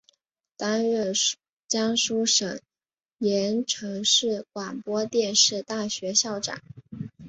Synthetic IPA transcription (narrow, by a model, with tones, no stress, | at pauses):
t̪a˥nɥɛ˥˩ | t͡ɕjɑ˥ŋʂu˥ʂɤ˨˩˦ŋ | jɛ˧˥nʈ͡ʂʰɤ˧˥ŋʂɻ̩˥˩kwa˨˩npwɔ˥t̪jɛ˥˧nʂɻ̩˥˧t̪a˥˩ɕɥɛ˧˥ɕjɑ˥˩ʊʈ͡ʂa̰˨˩˦